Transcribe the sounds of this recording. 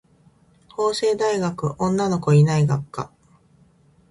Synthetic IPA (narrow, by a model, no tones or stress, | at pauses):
ho̞ːse̞ːd̪aiɡakɯ̟ʔõ̞nːano̞ko̞inaiɡakːa̰